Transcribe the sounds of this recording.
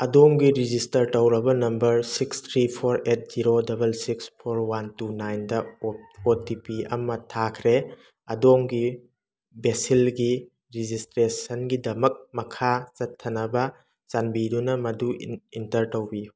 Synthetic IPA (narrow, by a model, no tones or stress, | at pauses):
ɐdoŋɡiɾid͡ʒistɐɾtɐwɾɐbɐnɐmbɐɾsikst̪ʰɾipʰoɾet̚z̥iɾodɐbɐlsikspʰoɾwantunajndɐotipiɐ̰mɐtʰakʰɾe | ɐdoŋɡi | besilɡi | ɾid͡ʒistɾesɐnɡidɐmɐk̚mɐkʰat͡ʃɐtʰːɐnɐbɐ | zanbidunɐmɐduintɐɾtowbi